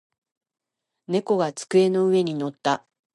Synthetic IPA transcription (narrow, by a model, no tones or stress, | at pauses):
ne̞ko̞ɡat͡sɨ̥kɯ̟e̞no̞ɯ̟e̞ɲ̟ino̞t̪ːa